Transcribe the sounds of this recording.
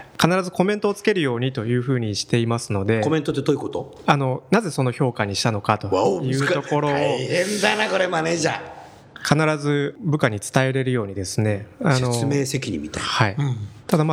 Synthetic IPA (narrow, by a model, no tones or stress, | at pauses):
kanaɾazɨko̞mẽ̞nt̪o̞ːt͡sɨ̥ke̞ɾɯ̟jo̞ːɲ̟it̪o̞jɯ̟ːɸɯ̟ːɲ̟iɕi̥t̪e̞imasɨno̞d̪e̞komẽ̞nt̪ot̪ːeoːikot̪o̰ | ano̞naze̞so̞no̞ço̞ːkaɲ̟iɕi̥t̪ano̞kat̪o̞ajɯ̟t̪o̞kko̞ɾo̞ẽnd̪anakoɾemaneʑa | kʰanaɾazɨbɯ̟kaɲ̟it͡sɨ̥t̪ae̞ɾe̞ɾɯ̟jo̞ːɲ̟id̪e̞sɨne̞ano̞meːse̞kʲiɲḭmit̪aihait̪ad̪ama